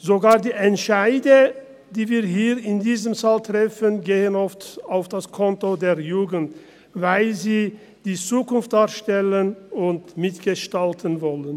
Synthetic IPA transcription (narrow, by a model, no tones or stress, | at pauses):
zoɡaːɐdiːʔɛntʃaɪdə | diːviːɐɦiːʁɪndiːzəmfaltʁ̥ɛfənɡeːənɔftaʊfd̥askʰɔntodeːɐjuːɡn̩t | vaɪlziː | d̥iːt͡suːkʊnft̚d̥aːɐʃtɛlənʊntmɪtɡ̥əʃtaltʰənvɔlən